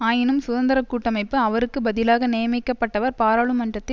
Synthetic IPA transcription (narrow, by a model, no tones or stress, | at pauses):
aːjɪnɯmsʊðɐnd̪ɐɾɐkːuːʈːɐmɐɪpːɯɐʋɐɾɯkːɯbɐðɪlaːɣɐneːjɐmɪkːɐpːɐʈːɐʋɐɾpaːɾaːɭɯmɐɳdrɐt̪ːɪ